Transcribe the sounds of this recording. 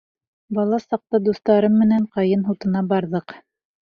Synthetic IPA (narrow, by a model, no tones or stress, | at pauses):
bɑlˠɑsɑq̚t̪ɑd̪ust̪ɑɾɤmːɘ̆næɴqɑjɤnɦut̪ɤ̆nɑbɑɾðɤq